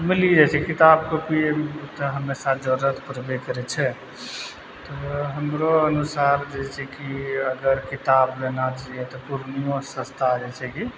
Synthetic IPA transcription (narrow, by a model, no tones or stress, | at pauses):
milid͡ʒɛt͡ʃʰɛkit̪ab̚kopit̪ɔɦəmesad͡ʒoɾət̪ʰpɾbekəɾɛt͡ʃʰɛ | t̪ɔɦəmɾoənusaɾd͡ʒɛsʰɛkiəɡəɾkit̪ablenat͡ʃaiɛt̪ɔpuɾnijõsə̃st̪ʰad͡ʒɛsʰɛki